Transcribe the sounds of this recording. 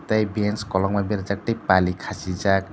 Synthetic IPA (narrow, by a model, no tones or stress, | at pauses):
t̪ajbenskɔlɔŋmabiɾd͡zak̚ʈejpalikʰasid͡ʒak